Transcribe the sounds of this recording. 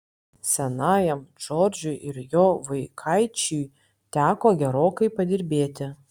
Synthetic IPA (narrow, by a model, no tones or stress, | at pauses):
sʲɛnɑːjɛmd͡ʒoːɾʲd͡ʒʲʊɪʔɪɾjoːʋɐɪkʰɐɪt͡ʃʲuj | t̪ʲæːkoːɡʲɛɾoːkɐɪpɐd̪ʲɪɾʲbʲeːt̪ʲɪ